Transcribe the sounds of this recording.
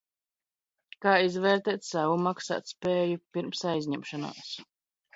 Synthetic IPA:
kaːizvɛːɾt̪ɛːt̪savumaksa̰ːt̪spɛːjupiɾmsajzʲɲɛmʃana̰ːs

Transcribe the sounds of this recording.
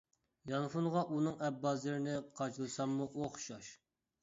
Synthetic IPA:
jɑnfunʁɑʔunɨŋɛbːɑzɨɾɪnɪqʰɑt͡ʃlˠɨsɑmːuʔoχʃɑʃ

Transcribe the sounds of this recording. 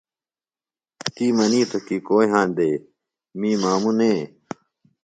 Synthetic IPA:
t̪iːmɐniːt̪ʰokiːkoːiɦãːnd̪eː | mĩːmaːmunẽː

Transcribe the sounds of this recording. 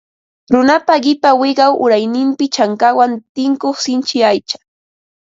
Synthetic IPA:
ɾʊnapaɢɪpawɪɢɑwʔʊɾajnɪmpɪt͡ʃaŋkawant̪ɪŋkoχsɪnt͡ʃɪajt͡ʃḁ

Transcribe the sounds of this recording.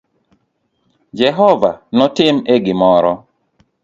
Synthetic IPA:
d͡ʒɛɦɔvanɔtɪmeɡɪmɔɾɔ

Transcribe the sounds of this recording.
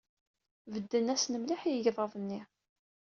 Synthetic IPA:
vəd̪ːənæsnəmliħjəʝðˤɑðˤənːi

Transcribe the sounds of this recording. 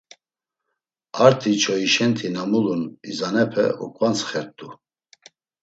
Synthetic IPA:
aɾt̪ʰit͡ʃʰɔiʃɛnt̪ʰinamulunizanɛpʰɛ̰ṵkʼvant͡sχɛɾt̪ʼu

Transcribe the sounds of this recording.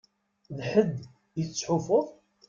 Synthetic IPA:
ðħəd̪ː | jət͡sːħʊfoðˤ

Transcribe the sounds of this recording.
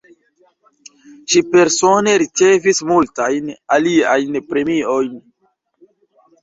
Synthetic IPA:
ʃipe̞ɾsone̞ɾit͡se̞vismultajnaliajnpɾe̞mio̞jn

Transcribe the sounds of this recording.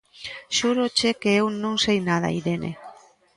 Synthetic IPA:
ʃuɾot͡ʃekeewnõŋsejnaðɐ̰iðenʔḛ

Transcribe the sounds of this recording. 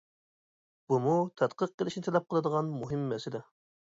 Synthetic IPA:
b̥umut̪ʰɛt̪qʰəq̚ːəlˠɪʃnɪt̪ʰɛlɛp̚qʰəlˠɨd̪əʁɑnmuɦɪmːɛsɪlɛ

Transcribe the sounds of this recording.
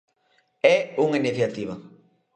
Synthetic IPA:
ɛuŋeneθat̪iβa

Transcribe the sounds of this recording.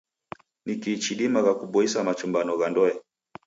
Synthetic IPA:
nikit͡ʃiɗimaɣakuɓɔisamat͡ʃumbanɔɣandɔɛ

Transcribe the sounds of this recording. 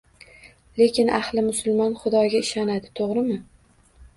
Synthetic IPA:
le̞kʲɪnʔahlɪmʊsʊlˠmɒnχʊd̪ɒɡʲaɪʃɒnad̪ɪt̪ʰoʁɾɪmɪ

